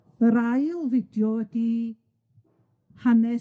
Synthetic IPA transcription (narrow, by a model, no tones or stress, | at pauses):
əɾajlˠvɪdjɔwɛdi | hanɛ